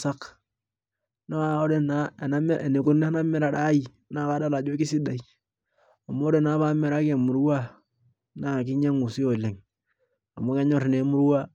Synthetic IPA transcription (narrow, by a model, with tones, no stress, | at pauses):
sa˦k | na˦a˦˨o˦de˦na˦˨na˦e˨ne˨ku˦n˦na˦me˦ɾa˨da˦i˨˦na˦ba˦da˦la˨d͡ʒo˦ki˦si˦da˨i˨ | a˨mo˦ɾe˦˨naː˨˦βa˦me˨ɾa˦ke˨mu˨ɾwa˦ | na˨kɪ˦ɲe˦ŋu˨si˦o˨le˨ŋ | a˨mo˦ke˦ɲɔ˦˨ɾne˨mu˦ɾwa˦